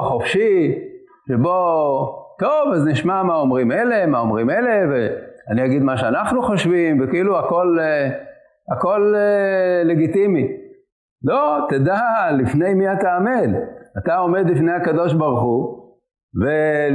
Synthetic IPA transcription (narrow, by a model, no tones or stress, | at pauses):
χo̞fʃi | ʃebo̞ | t̪ovazniʃmamaomʁime̞le̞maomʁimele̞veaniaɡid̪maʃeanaχnuχoʃvimvekeiluako̞l | ako̞leːe̞ɡit̪imi | lo̞t̪ed̪alifne̞jmiat̪aːme̞dat̪ao̞me̞d̪lifne̞jakad̪o̞ʃbaʁuχu | ve